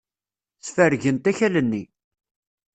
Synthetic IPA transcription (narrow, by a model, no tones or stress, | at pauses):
θfəɾʝənt̪æçælənːi